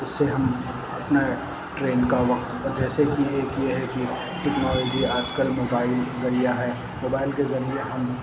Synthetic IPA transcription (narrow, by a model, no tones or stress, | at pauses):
ʊsːeɦɐm | ɐpna | ʈɾeːnkaʋɐkt̪əd͡ʒʱɛːsekieːkjeɦɛki | ʈeknɔːloːd͡ʒiaːd͡ʒkəlmoːbaːɪlzɐɾijaɦɛ | moːbaːɪlkezɐɾieɦɐm